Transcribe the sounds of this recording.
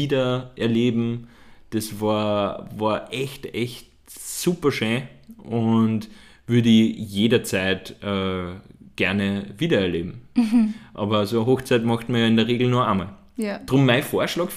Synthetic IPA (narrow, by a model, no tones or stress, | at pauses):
iːdɐʔɛɐleːbm̩d̥ɛsvɑːɐvɑːɐʔɛçtɛçt | suːpɐʃøːʔʊnt | vʏɐdəɪjeːdɐt͡sæɪtʔɛ | ɡ̥ɛɐnəviːdɐɛɐleːbm̩ | ʔɑːbɐsoɐɦoxt͡sæɪtmɑxtmɐjɑːɪndəɐʁeːɡl̩nuːɐaːmɑɭ | d̥ʁʊmːæɪfoːɐʃlɑːkf